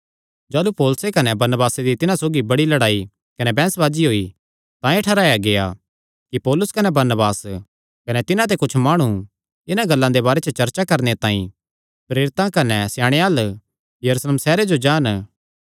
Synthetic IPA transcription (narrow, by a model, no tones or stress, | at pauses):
d͡ʒaːlupoːlsekɐnɛbɐɾnəbaːsed̪it̪ɪnãsoːɡibɐɽilɐɽaːi | kɐnɛbɛ̃ːsbaːd͡ʒiɦoːi | t̪ãeʈʰɐɾaːjaɡeja̰ | kipɔːlʊskɐnɛbɐɾnəbaːs | kɐnɛt̪ɪnãt̪̬ekʊt͡ʃʰmaːɽ̃ũ | ɪnãɡɐlːãd̪ebaːɾet͡ʃət͡ʃɐɾt͡ʃakɐɾnet̪ãːḭ̃ | pɾeːɾɪt̪ãkɐnɛsjaːɽ̃eaːl | jɐɾuːsleːmsɛːɾed͡ʒod͡ʒaːn